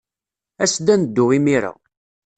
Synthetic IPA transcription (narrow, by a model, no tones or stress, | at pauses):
æsd̪ænəd̪ːʊʁimiɾa̰